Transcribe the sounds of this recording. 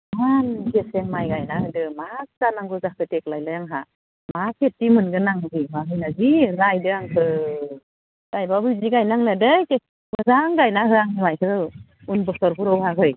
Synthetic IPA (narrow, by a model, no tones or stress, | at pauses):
mankʰeseŋmajɡajnahɯdɯmastanaŋɡɯzah̚tɯtek̚lajlɯjaŋɦa | masʰetːimɯnɡɯnaŋzibaɦɯjnaziɾajdɯaŋkʰɯ | ɾajbabɯjziɡajnaŋladɯjkes | bɯzaŋɡajnaɦɯaŋmajkʰɯɯ | unbɔsɔɾpuɾɔwhaɦɯj